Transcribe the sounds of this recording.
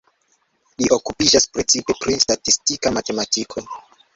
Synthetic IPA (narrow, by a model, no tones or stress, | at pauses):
liʔo̞kupid͡ʒaspɾet͡sipe̞pɾistatistikamate̞matikʰo̞